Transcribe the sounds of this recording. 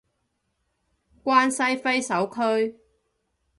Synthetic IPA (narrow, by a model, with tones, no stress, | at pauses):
kʷaː˥nsɐ˥jfe˥jsɐ˨˥wkʰɵ˥ɥ